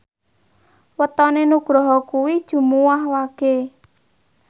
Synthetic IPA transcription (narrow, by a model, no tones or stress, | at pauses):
wət̪ɔnenuɡ̥ɾɔɦɔkuwid̥ʒ̥ṳmuwahwaɡ̥e